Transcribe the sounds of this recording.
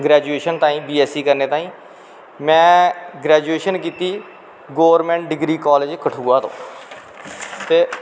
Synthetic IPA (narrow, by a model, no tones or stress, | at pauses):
ɡɾɛːd͡ʒueːʃənt̪ãːĩːbiːɛːsiːkəɾneːt̪ãːĩː | mɛ̃ːɡɾɛːd͡ʒueːʃənkiːt̪iː | ɡoːʋəɾmɛ̃ːɳʈ̚ɖɪɡɾiːkɔːleːd͡ʒkəʈʰuːaːt̪õ̰ː | t̪eː